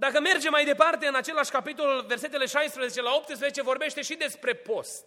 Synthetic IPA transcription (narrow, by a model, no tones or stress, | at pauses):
d̪akəme̞rd͡ʒe̞mːajd̪e̞part̪e̞ɨnat͡ʃe̞laʃʲkapit̪o̞lulve̞rse̞t̪̬e̞le̞ʃajspɾəze̞t͡ʃe̞lao̞p̚t̪ɨspɾəzet͡ʃe̞vo̞rbe̞ʃt̪e̞ʃid̪e̞spɾe̞po̞st̪